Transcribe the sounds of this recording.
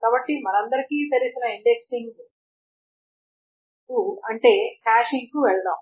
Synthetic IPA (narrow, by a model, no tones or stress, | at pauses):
kaːbɐʈːimɐnɐnd̪ɐɾikiːt̪eɾisinɐiɳɖeksiŋɡ | kuɐɳʈe̞ːkaːʂiŋkuʋɛɭɐɽa̰ːm